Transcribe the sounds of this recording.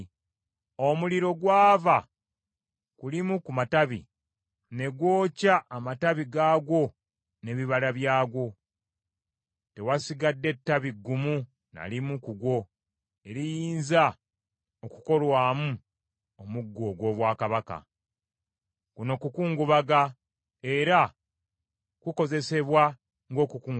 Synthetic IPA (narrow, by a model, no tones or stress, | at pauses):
o̞muliɾo̞ɡwaːva | kulimukumataβḭ | ne̞ɡwo̞ːcaʔːmataβiɡaːɡwo̞ | ne̞βiβalaβjaːɡwo̞ | te̞wasiɡadːe̞tːaβiɡːumu | na̰limukuɡwo̞ | e̞ɾijiːnza | okuko̞lwaːmu | omuɡːo̞ɡwo̞ːβwaːkaβaka̰ | kuno̞ːkukuːŋɡuβaɡa | e̞ɾa | kuko̞ze̞se̞βwa | ŋɡo̞ːkukuː